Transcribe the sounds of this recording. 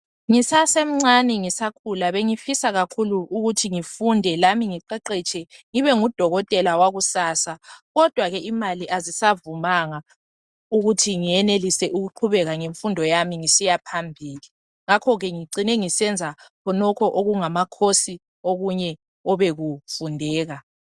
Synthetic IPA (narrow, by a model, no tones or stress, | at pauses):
ŋisasem̩ŋ͡ǀanɛŋisakʰulaβeŋifisaɣakʰuluʔːɣutʰiŋifundʱɛlamiŋiǃɛǃɛt͡ʃʰʼɛŋiβɛŋud̥ʱɔɣɔtʼɛlawaɣusaːsaɣɔd̥ʱwaɣɛʔimaliʔazisavumaŋa | uɣutʰiŋijɛnelisɛʔuɣuǃʰuβɛɣaŋeɱfundʱɔjamiŋisijapʰambʱiːli | ŋakʰɔɣɛŋiǀinɛŋisɛnd͡zʱakʰɔnɔkʰɔʔoɣuŋamakʰosi | oɣuɲɛ | ɔβeɣufundʱɛːɣa